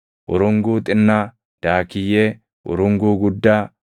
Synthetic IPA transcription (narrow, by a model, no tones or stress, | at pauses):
ʔʊɾʊŋɡuːt̪ʼɪnːa | d̪̥aːkːɪjeː | ʔʊ̰ɾʊŋɡuːɡʊd̪ːaː